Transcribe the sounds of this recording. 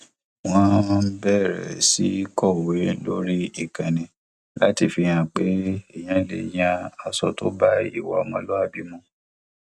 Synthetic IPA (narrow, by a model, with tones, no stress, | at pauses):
w̃ɔ̃˦bɛ˦˨ɾɛ̰˨si˨˦kɔ˦˨we˨˦lo˦ɾi˦i˦˨kã˨nĩ˨ | la˦ti˨fi˧jã˧˨k͡pe˦e˦˨j̃ã˧lḛ˨j̃ã˧a˧sɔ˧to˦ba˦ḭ˦˨wa̰˨mɔ̃˧˦lɔ˦a˦˨bi˦mɔ̃˧